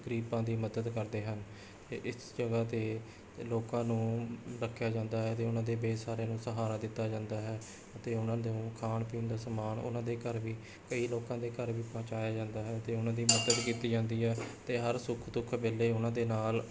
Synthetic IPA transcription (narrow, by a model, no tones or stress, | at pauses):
ɡɾiːpãːd̪iːməd̪əd̪kəɾd̪eːɦən | t̪eːʔɪsd͡ʒəɡaːt̪eː | loːkãːnũːɾəkʰːjaːd͡ʒãːnd̪aːɦɛːət̪eːʊnãːd̪eːbeːsaːɾeːnũːsəɦaːɾaːd̪ɪt̪ːaːd͡ʒãːnd̪aːɦɛː | ət̪eːʊnãːd̪ũːkʰaːɳpĩːnd̪aːsəmaːnʊ̰nãːd̪eːkəɾʋiː | kəiːloːkãːd̪eːkəɾʋiːpãːt͡ʃaːjaːd͡ʒãːnd̪aːɦɛːt̪eːʊnãːd̪iːməd̪əd̪kiːt̪iːd͡ʒãːnd̪iːɦɛːt̪eːɦəɾsʊkʰd̪ʊkʰbeːlːeːʊnãːd̪eːnaːl